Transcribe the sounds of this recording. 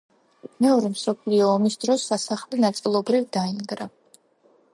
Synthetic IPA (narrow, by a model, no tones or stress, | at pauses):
mɛɔɾɛmsɔpʰliɔːmisd̪ɾɔsːasaχlɛnat̪sʼilˠɔbɾivd̪ainɡɾa